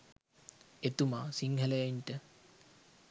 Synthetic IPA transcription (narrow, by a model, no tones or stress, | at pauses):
et̪umaːsiŋɦələjinʈə